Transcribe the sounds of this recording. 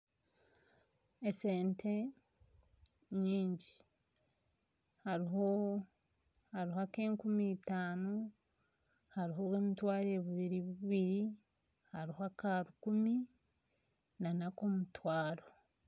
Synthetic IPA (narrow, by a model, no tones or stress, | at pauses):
eseːnte | ɲiːɲɟi | haɾiɦo | haɾihoake̞ːŋkumiːtaːno | haɾiɦo̞weːmitwaːɾeβuβiɾiβuiβiɾi | haɾihoakaɾukumi | nanakomutwaːɾo